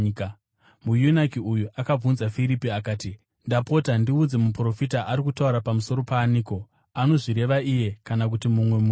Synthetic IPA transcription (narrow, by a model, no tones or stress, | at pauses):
mujunakiujuʔakab͡vunzafiɾipiakaːti | ndapo̞tandiud͡zemupro̞fitaʔaɾikutauɾapamuso̞ɾo̞paːniːko̞ | ano̞ʐiɾe̞ʋaije̞kanak̬utimumwe̞mu